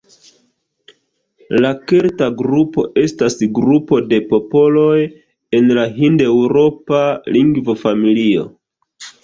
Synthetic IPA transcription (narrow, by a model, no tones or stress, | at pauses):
lakeɾtaɡɾupo̞ʔe̞stasɡɾupo̞de̞po̞po̞lo̞j | e̞nlaɦinde̞wɾo̞paliŋɡvo̞familio̞̰